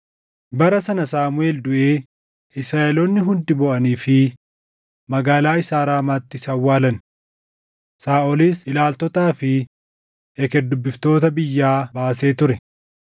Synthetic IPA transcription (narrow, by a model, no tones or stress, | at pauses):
bɐɾɐsɐnɐsaːmʊe̞ːld̪ʊʔeː | ɪsɾaːʔɛloːnːɪɦʊnd̪ɪbɔʔɐniːfɪ | mɐɡaːlaːɪsaːɾaːmaːt̪ːɪsɐwːaːlɐn | saːʔɔliːsɪlaːlt̪ɔt̪aːfɪ | ɛkɛd̪ʊbːɪft̪o̞ːt̪ɐbɪjːaːbaːse̞ːt̪ʊɾɛ